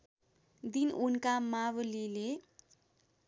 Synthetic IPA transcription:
d̪inunkamawlile

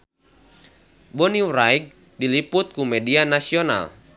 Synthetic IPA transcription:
bɔniwɾaiɡ̚ | diliput̪̚kumɛdianasiɔna̰l

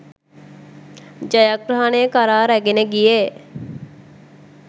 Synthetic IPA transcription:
d͡ʒajaɡɾaɦanejkaɾaːɾæɡeneɡije

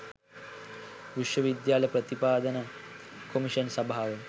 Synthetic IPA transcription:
ʋiʃʋəʋid̪jaːlɐjpɾɐt̪ipaːd̪ənəkomiʃənsɐbʱaːʋə

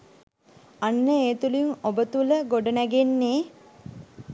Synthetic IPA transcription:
anːəeːt̪uliŋobət̪uləɡoɖənæɡenːeː

